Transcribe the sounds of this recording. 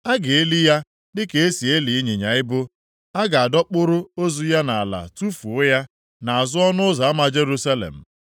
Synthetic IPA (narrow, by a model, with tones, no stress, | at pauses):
a˦ɡɪ˨e˦li˦ja˦ | dɪ˦ke˨e˦si˨e˦li˨i˦ɲe˨ɲa˨ɪ˦bʊ˦ | a˦ɡa˨a˨dɔ˦k͡pʊ˦ɾʊ˦o˦zu˦ja˦na˨a˨la̰˨tu˦fu˨ʊ˦ja˦ | na˨a˨zʊ˦ɔ˦nʊ˦ʊ˦za˨a˦ma˨d͡ʒe˦ɾu˦sa˦lḛ˨m̩˨